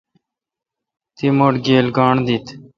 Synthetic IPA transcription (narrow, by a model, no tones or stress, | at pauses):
t̪iːmoːʈɡeːlɡɑːɳd̪iːt̪